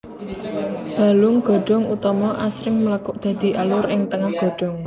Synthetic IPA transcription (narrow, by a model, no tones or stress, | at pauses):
d̪̥a̤lʊŋɡ̥ɔ̤ɖ̥ɔ̤ŋut̪ɔmɔʔasɾɪŋməlakʊʔd̪̥ä̤d̪̥i̤ʔalʊɾɪŋt̪əŋahɡ̥ɔ̤ɖ̥ɔ̤ŋ